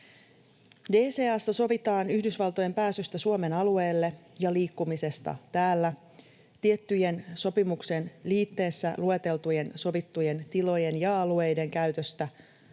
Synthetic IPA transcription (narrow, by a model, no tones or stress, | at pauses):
de̞ːseːɑsːæso̞ʋit̪ɑːnyhdysʋɑlt̪o̞je̞mpæːsyst̪æsuome̞nɑlue̞ːlːe̞jɑliːkːumise̞st̪ɑ̰t̪æːlːæ | t̪iet̪ːyje̞nso̞pimukse̞nliːt̪ːe̞ːsːælue̞t̪e̞lt̪uje̞nso̞ʋit̪ːuje̞nt̪ilo̞je̞njɑɑlue̞jde̞ŋkæyɥt̪øst̪æ